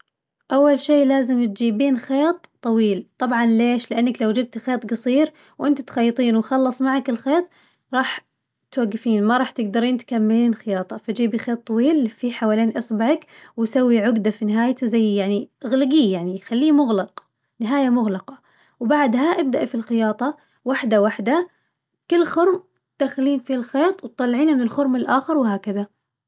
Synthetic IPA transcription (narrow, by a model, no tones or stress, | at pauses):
ʔawːalʃeːlaːzɪmt̪̚d͡ʒiːbiːnxeːt̪ˤːɑwiːlt̪ˤɑbʕɑnleːʃlɪʔanːaklawd͡ʒab̚t̪xeːt̪ˤɡɑsˤiːɾ | wʔɪnt̪at̪xɑjːt̪ˤiːnwxɑlːɑsˤmaʕakɪlxeːt̪ˤ | ɾˤɑːħ | t̪waɡːɪfiːnmɑɾˤɑːħt̪ɪɡd̪ɑɾiːnt̪kamːɪliːnxɪjɑːt̪ˤɑfad͡ʒiːbixeːt̪ˤːɑwiːlfiħawaːleːnʔɑsˤbaʕakwsawːiʕʊɡd̪afinɪɦaːjt̪uzajːjaʕniɣlɪɡiːjaʕnixalːiːmʊɣlɑq | nɪɦaːjamʊɣlɑqɑ | wbaʕd̪ɦaʔab̚d̪aʔfilxɪjɑːt̪ˤɑ | waħd̪awaħd̪a | kɪlːxʊɾm | d̪̥axliːnfilxeːt̪ˤwt̪ˤːɑlːʕiːnɪnɪlxʊɾmɪlʔaːxɪɾˤwɦaːkɪða